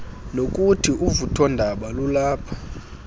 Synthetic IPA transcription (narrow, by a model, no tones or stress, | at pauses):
nokʼutʰiʔuvutʰɔndʱaɓalulaːpʰḁ